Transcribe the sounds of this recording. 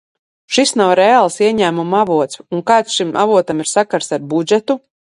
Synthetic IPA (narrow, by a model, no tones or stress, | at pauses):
ʃisnawɾɛalˠsiɛɲæːmumavuɔt̪suŋkaːt̪sʃimʔa̰vuɔt̪amiɾsakaɾsaɾbud͡ʒɛt̪u